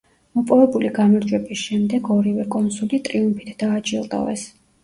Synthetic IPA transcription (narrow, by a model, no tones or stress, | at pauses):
mɔpʼɔvɛbuliɡamaɾd͡ʒwɛbisʃɛmd̪ɛɡɔɾivɛkʼɔnsulit̪ʼɾiumpʰi̥t̪ʰd̪̥aːt͡ʃʰʼilˠd̪ʼa̰vɛ̰s